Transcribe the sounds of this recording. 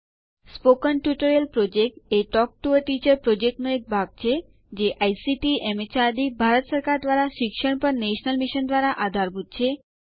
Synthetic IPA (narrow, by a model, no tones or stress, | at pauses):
spokənʈjuʈəɾijəlpɾod͡ʒek̚ʈeʈɔk̚ʈuəʈit͡ɕəɾpɾod͡ʒek̚ʈnoek̚bʱaɡ̚t͡ʃʰe | d͡ʑeʔajsiʈiemet͡ɕad̪ibʱaɾət̪səɾkaɾd̪ʋaɾaʃikʃəɳ̃pəɾneʃnəlmiʃənd̪ʋaɾaʔad̪ʱaɾbʱut̪̚t͡ʃʰe